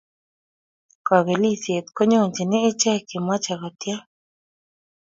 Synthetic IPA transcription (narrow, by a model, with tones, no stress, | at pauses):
ka˨βe˨li˦se˨t̪ko˦ɲõ˦˨nt͡ʃi˨nẽ˦e˦t͡ʃe˦˧ke˨m˧ã˦t͡ʃa˧ɣo˨t̪ja˦